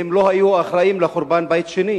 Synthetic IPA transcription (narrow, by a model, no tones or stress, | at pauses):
emlo̞hajuaχɾaimleχoɾbanbajt̪ʃeni